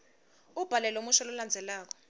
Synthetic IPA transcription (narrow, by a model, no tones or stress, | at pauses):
ub̥ʱalɛlomuʃɔluland͡zʱɛlaːk̬ɔ̥